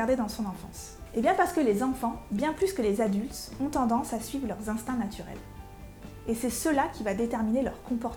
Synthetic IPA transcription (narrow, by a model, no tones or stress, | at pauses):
aʁd̪ed̪ɑ̃sɔ̃nɑ̃fɑ̰̃s | ebjɛ̃paʁsə̥kəlezɑ̃fɑ̃bjɛ̃plyskəlezad̪ylt̪ɔ̃t̪ɑ̃d̪ɑ̃sasɥivʁlœʁzɛ̃st̪ɛ̃nat̪ʰyʁɛ̰l | esɛsəlakʲʰivad̪et̪ɛʁminelœʁkɔ̃pɔʁt̪